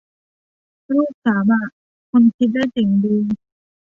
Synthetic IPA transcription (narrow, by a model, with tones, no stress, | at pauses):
ɾuː˥˩k̚saː˩˦ma˧˩ | kʰo˧nkʰi˦t̪̚daː˥˩jt͡ɕi˨˩ŋdiː˧